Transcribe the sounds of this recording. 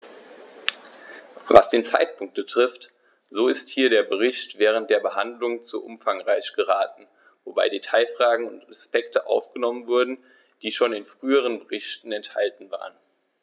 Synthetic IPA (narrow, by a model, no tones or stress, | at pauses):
va̰sd̥eːnt͡sa̰ɪt̚pʰʊŋkt̚b̥ətʁ̥ɪft | z̥oːɪsthiːɐɾeːɐbəʁ̞ɪçtv̥ɛːʁ̞ənt̚d̥eːɐbəɦandlʊŋt͡sṵʔʊ̰mfaŋʁaɪçɡ̥əʁaːtn̩ | voba̰ɪdetʰaɪfʁ̥aːɡŋ̩ʊntʁaspɛktəʔa̰ʊfɡ̥ənɔmənvʊɐdn̩ | d̥iːʃoːnɪnfʁ̥yːəʁ̞ənbəʁɪçtn̩ɛntha̰ltn̩va̰ːʁən